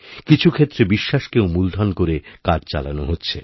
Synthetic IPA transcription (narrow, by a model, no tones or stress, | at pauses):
kit͡ɕʰukʰet̪ːɾebiʃːaʃkewmuld̪ʱankoɾekad͡ʑt͡ɕa̰la̰noɦotːɕʰḛ